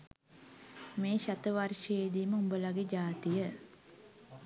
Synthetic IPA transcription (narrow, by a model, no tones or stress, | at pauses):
meːɕat̪əʋarʂəjed̪iːməumbəlaɡed͡ʒaːt̪ijə